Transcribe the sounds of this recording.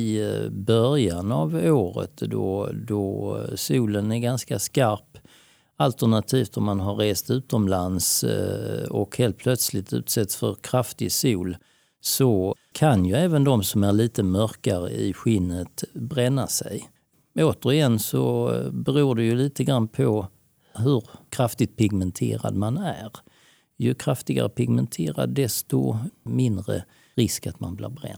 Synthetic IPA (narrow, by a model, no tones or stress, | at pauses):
ɪbœɾjanavoːɾə̰t̪d̪ɔ̰d̪ɔsuːlənæɾɡanskaskaɾp | alt̪əɳat̪ʰiːft̪d̪ɔɾmanɦaɾːeːst̪ʉ̟ːt̪ɔmlans | ɔ̰kheːlt̪̚pʰlœt̪slɪt̪ʉ̟̰ːt̪sɛt̪sfœ̰ɾkʰɾaft̪ɪsuːl | sɔ | kʰanjɵɛːvənd̪ɔmsɔmæɾɭiːt̪əmœɾkaɾə̰ɪ̰ɧɪnːət̪bɾɛnːasɛj | oːt̪əɾjɛnːsɔ̰bɛɾuːɖɛjɵliːt̪əɡɾanːpʰɔ | ɦɵɾkʰɾaft̪ɪt̪̚pʰɪɡmɛnt̪ʰḛːɾa̰d̪manæɾ | jɵkʰɾaft̪ɪɡa̰ɾəpɪɡmɛnt̪ʰeːɾa̰d̪d̪ɛst̪ɔ̰mɪnd̪ɾə̰ | ɾɪskat̪ma̰nblɪ̰ːɾbɾɛ̰nː